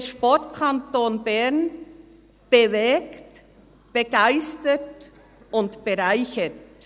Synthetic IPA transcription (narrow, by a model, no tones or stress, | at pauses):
ʃpɔtkʰantoːnbɛn | b̥evɛːkt | b̥eɡ̥aɪstət | ʊntb̥eʁaɪçət